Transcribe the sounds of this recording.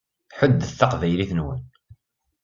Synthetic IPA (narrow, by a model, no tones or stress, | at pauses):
ħəd̪ːəθɑqvæjliθənwə̰n